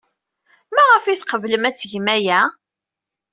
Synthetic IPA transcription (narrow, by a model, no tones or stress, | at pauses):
mæʁəfiθqəvləmæt͡sːʝmæjæ